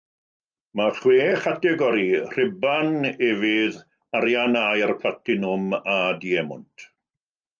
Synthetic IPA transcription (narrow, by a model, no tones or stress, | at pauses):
maχweːχatɛɡɔɾir̥ɪbanɛvɨð | aɾjanajarpʰlatɪnʊmadiɛmʊ̰ntʰ